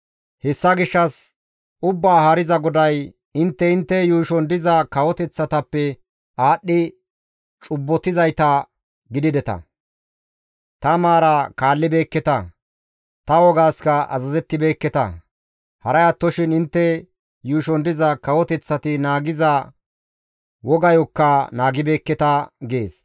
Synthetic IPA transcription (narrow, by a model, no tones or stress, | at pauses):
hɛsːɐɡɪʃːɐs | ʔʊbːaːhɐɾɪzɐɡɔd̪ɐj | ɪnt̪ːɛɪnt̪ːɛjuːʃɔnd̪ɪzɐkɐwɔt̪ɛt͡sːɐt̪ɐpːɛ | ʔaːɗːɪ | t͡ʃʼʊbːɔt̪ɪzɐjt̪ɐ | ɡɪd̪ɪd̪ɛt̪ɐ̰ | t̪ɐmaːɾɐkaːlːɪbe̞ːkːɛt̪ɐ | t̪ɐwɔɡaːskɐɐ̰zɐzɛt̪ːɪbe̞ːkːɛt̪ɐ̰ | hɐɾɐjɐt̪ːɔʃɪnɪnt̪ːɛ | juːʃɔnd̪ɪzɐkɐwɔt̪ɛt͡sːɐt̪ɪnaːɡɪzɐ | wɔɡɐjɔkːɐnaːɡɪbe̞ːkːɛt̪ɐɡe̞ːs